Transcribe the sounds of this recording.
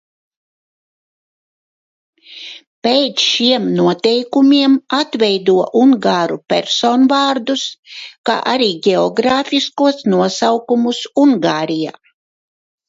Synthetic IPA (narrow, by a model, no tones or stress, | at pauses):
pɛjt̪sʃiɛmnuɔt̪ɛjkumʲiɛmat̪vʲɛjd̪uɔʔuŋɡaːɾupʲɛ̰ɾsoːnvaːɾd̪uska̰ːʔaɾiːɡʲeɔɡɾaːfʲiskuɔsnuɔsawkumusuŋɡaːɾija̰ː